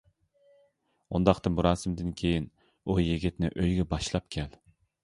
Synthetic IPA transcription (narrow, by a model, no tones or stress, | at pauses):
ṵnd̪ɑχt̪ɨnbuɾɑːsɨmd̪ɪnkʲʰejin | ujeɡʲɪt̪nɪ̰ʔøjɡʲɛbɑʃlˠɑpkʲʰɛl